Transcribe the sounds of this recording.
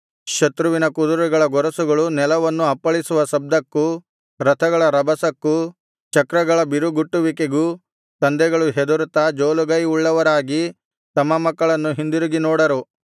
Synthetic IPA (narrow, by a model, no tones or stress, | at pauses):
ʃɐt̪ɾuʋinɐkud̪uɾuɡɐɭɐɡɔɾɐsuɡɐɭunɛlɐʋɐnːuɐpːɐɭisuʋɐsɐb̚d̪ɐkːu | ɾɐt̪ʰɐɡɐɭɐɾɐbɐsɐkːu | t͡ʃɐkɾɐɡɐɭɐbiɾuɡuʈːuʋikeɡu | t̪ɐnd̪ɛɡɐɭuɦed̪uɾut̪ɐd͡ʒoːluɡɐjuɭːɐʋɐɾaːɡi | t̪ɐmːɐmɐkːɐɭɐnːuɦind̪uɾuɡinɔːɽɐɾu